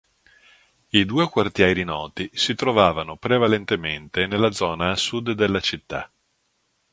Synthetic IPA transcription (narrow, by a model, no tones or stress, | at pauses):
id̪uːekwart̪jɛɾinɔːt̪isit̪ɾovaːvanopɾevalent̪ement̪enelːad̪zɔːnaːsːud̪d̪ːelːat͡ʃit̪ːa